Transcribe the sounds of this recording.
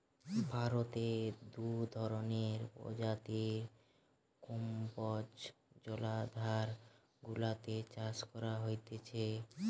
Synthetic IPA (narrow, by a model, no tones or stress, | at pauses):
bʱaɾot̪ed̪ud̪ʱɔɾoneɾo̰d͡ʑat̪i | kumpɔd͡ʑ | d͡ʑɔlad̪ʱaɾ | ɡulat̪et͡ɕaskɔɾaɦojt̪et͡ɕʰe